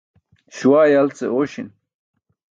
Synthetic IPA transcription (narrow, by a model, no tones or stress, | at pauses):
ɕuwaːjalt͡sḛoɕin